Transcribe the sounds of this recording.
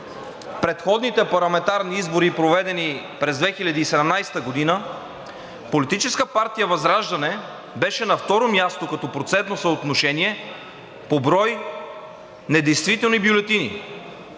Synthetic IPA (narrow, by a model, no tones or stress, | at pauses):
pɾɛt̪xɔd̪nit̪ɛpɐɾlˠɐmɛnt̪aɾniizboɾipɾovɛd̪ɛni | pɾɛzd̪vɛxilʲɐd̪iːsɛd̪ɛmnajsɛ̥t̪əɡod̪inə | polit̪it͡ʃɛskəpaɾt̪ijəvɐzɾaʒd̪ɐnɛ | bɛʃɛnɐft̪ɔɾomjast̪okɐt̪ɔpɾot̪sɛnt̪nosəot̪noʃɛniɛ | pobɾɔj | nɛd̪ɛjst̪vit̪ɛlˠnibjolɛt̪inḭ